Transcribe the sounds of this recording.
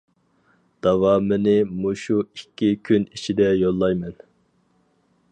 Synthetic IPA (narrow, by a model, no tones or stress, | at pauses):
d̪̥ɑwɑːmɨnɪmuʃuikʲːikʲʰynit͡ʃʰid̪ɛjolˠːɑjmɛn